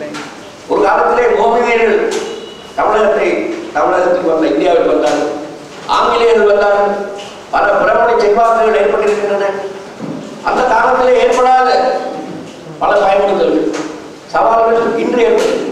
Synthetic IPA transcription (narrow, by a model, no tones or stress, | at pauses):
ɔɾɯkaːlɐt̪ːɪleːmoːðɪɣɐɾɣɐɭ | t̪ɐʋɪɻɐɣɐt̪ːɾɐɪt̪ɐʋɪɭɐɣɐt̪ːɪʋɐnd̪ɐɪnd̪ɪjaːʋɪlʋɐnd̪aːɾɐ | ʔa̰ːŋɡɪlɪɣɐɣɐɭʋɐnd̪aːɾɐ | pɐlɐpɪɾɐmaːɳit͡ʃɛnʋaːkɯɣɐɭeːrpɐʈːɪɾɪkːɪnrɐnɐ | ʔɐ̰nd̪ɐk̪aːnɐt̪ːɪleːeːrpɐɽaːɣɐ | pɐlɐpɐjɐnɽɯɣɐlɯ | sɐʋaːlɐɣɐɯkɪndreːɾpɐðɯ